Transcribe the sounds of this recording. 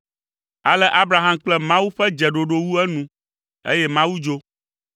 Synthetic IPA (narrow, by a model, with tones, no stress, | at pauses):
a˨lɛ˦ʔa˦bɾa˨ɦã˨mk͡plɛ˦mã˦wu˦ɸɛ˦d͡ʒɛ˨ɖo˨ɖo˦wu˦ɛ˦nũ˦ | ḛ˦jɛ˦mã˦wu˦d͡ʒo˦